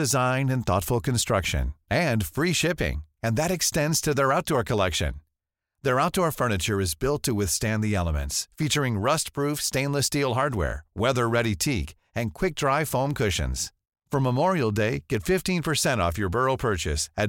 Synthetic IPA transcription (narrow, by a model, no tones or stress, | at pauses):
ɨzãɪ̃ndɨ̃nθɔ̰tfl̩ˠkɨ̃nstɹ̥ʌkʃɨ̰̃nɨ̃nfɹiʃɪpɪ̰̃ŋɨ̃nðɨɾɨkstɛ̃ndz̥tʰɨðə˞aʊt̚d̥ɔɹkʰəlɛkʃɨ̰̃n | ðə˞aʊt̚d̥ɔɹfɜ˞nɨt͡ʃə˞ɨzbɪlˠtʰɨwɪθstæ̃nðiɛlˠəmɨ̰̃ntsfit͡ʃə˞ɪ̃ŋɹʌst̚pʰɹ̥ufstẽɪ̃nləstilˠɦɑɹd̚wɛ̰ɹwɛðə˞ɹɛɾitʰik | ɨ̃nkʰw̥ɪk̚d̥ɹaɪfõʊ̃mkʰʊʃɨ̰̃nz̥ | fʌ̃məmɔɹil̩ˠdeɪɡ̥ɛtfɪftĩnpʰə˞sɛ̃ɾ̃ɔ̰fjə˞bɜ˞l̩ˠpʰɜ˞t͡ʃɨ̰sɨ